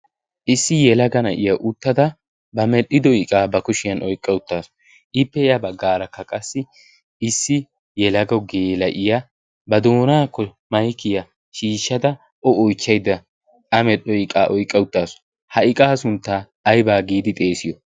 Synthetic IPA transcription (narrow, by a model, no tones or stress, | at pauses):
ʔɪsːɪjɛlɐɡɐnɐʔɪjɐʔʊt̪ːɐd̪ɐ | bɐmɛɗɪd̪ɔɪkʼaːbɐkʊʃɪjɐnʔɔjkʼːɐʊt̪ːaːsʊ̥ | ʔɪpːɛjɐbɐɡːaːɾɐkːɐkʼɐsːɪ | ɪsːɪ | jɛlɐɡɐwɡeːlɐʔɪja | bɐd̪o̞ːnaːkːɔ | mɐjkɪjɐ | ʃiːʃːɐd̪ɐ | ʔɔɔjt͡ʃːɐjd̪ɐ | ɐmɛɗɔɪkʼaːʔɔjkʼːɐwʊt̪ːaːsʊ̥ | hɐɪkʼaːsʊnt̪ːaː | jbaːɡiːd̪ɪt̪ʼe̞ːsɪjɔ